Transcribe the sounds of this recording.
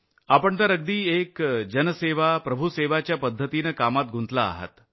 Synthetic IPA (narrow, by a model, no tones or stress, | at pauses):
apəɳt̪əɾəɡ̚d̪iːekd͡ʑənseʋapɾəbʱuseʋat͡ɕjapəd̪ʱːət̪inəkamat̪̚ɡʱũnt̪la̰ːɦə̰t̪